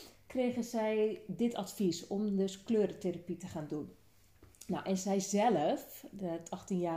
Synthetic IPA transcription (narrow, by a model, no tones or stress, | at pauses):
kreːɣənzɛjdɪtʰa̰tfisɔmdøskløːɾəteɾapitəχaːndun | na̰wʔɛnzɛjzɛləfətʰɔxtinjaː